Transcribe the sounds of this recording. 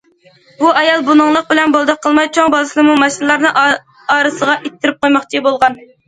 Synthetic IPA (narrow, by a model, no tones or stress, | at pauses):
buɑjɑlˠbunɨŋlˠəq̚bɪlɛnbolˠd̪ɑqʰːəlˠmɑjt͡ʃʰoŋbɑlˠɨslˠɨmumɑʃinɨlˠɑɾnɨʔ | ɑːɾɨsəʁɑʔet̪ʰːɪɾɪp̚qojmɑχt͡ʃʰibolˠʁɑn